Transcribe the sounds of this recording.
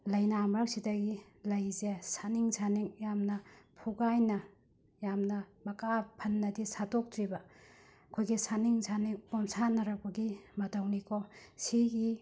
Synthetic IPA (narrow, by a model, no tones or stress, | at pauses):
lɐjnamɾak̚sidɐɡi | lɐjzesaniŋsʰaniŋjamnɐpʰuɡajnɐ | jamnɐmɐkapʰɐnːɐdisatok̚tɾibɐ | ɐkʰojɡisaniŋsʰaniŋpomsanɐɾɐbɐɡimɐtɐwnikʰosiɡi